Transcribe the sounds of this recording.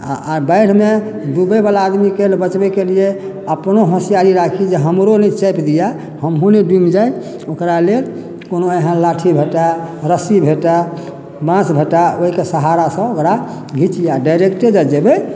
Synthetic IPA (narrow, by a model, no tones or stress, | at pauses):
abəɪɽ̤med̪ubəbalaːd̪mikelbət͡ʃbɛkelie | əpnoɦə̃sijaɾiɾakʰid͡ʒeɦəmɾonɛt͡ʃɛpd̪ija | həmɦuniɖimd͡ʒaj | okɾalel | konoeɦãlaʈʰibʱeʈaɾəsibʱeʈa | bãsbʱeʈaoɦikesəɦaɾasə̃okɾa | ɡʱit͡ʃijaɖajɾekʈed͡ʒad͡ʒebe